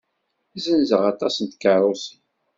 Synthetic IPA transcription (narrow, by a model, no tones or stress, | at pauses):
zənzəʁɑt̪ˤɑsənt̪kəɾˤʊsən